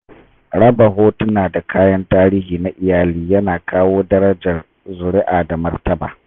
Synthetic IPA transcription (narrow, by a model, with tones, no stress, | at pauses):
ɽɐ˦ba˨ɦoː˦tʊ˦naː˨da˨kʰaː˦jɐ˦ntaː˦ɾi˦ɦiː˨na˦ʔɪ˨jaː˨liː˦jɐ˦naː˨kaː˦woː˦dɐ˦ɾɐ˦d͡ʒɐ˨r | zʊ˨ɽɪ˦ʔaː˨da˨mɐ˦rtɐ˦ba̰ː˨